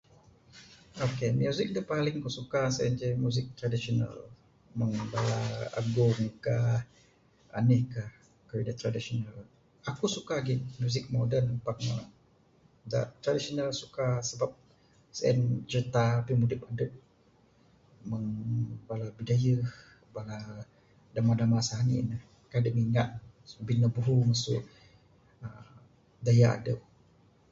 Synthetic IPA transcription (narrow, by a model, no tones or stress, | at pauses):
okemjuzɪk̚dupalɪŋakusukasɛnd͡ʒamuzɪk̚t̪ɾadisona̰l | məŋbalaa̰ɡʊmkah | a̰nɪhkah | kəwidat̪ɾadisional | akusukaɡɪmjuzɪk̚modənpak̚ə | da̰t̪ɾadisionalsukasəbap̚ | sɛ̰nt͡ʃərt̪aːpimudɪpadəp̚ | məŋbalabidajəh | bala | damadamasaanḭnəh | kadəʔmiŋat̪̚binəbuɦumasʊ̰ʔ | ə | dajaa̰də̰p̚